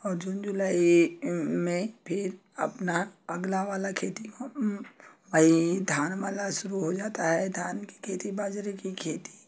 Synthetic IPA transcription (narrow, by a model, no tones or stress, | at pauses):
ɔːɾd͡ʒuːnd͡ʒʊlaːi | mẽpʰɪɾ | ɐ̰pnaɐɡlaʋaːlakʰeːt̪iko | ʋəɦid̪ʱjaːnʋaːlaʃʊɾuɦod͡ʒaːt̪aɦɛd̪ʱjaːnki̥kʰeːt̪ibaːd͡ʒɾekikʰeːt̪i̥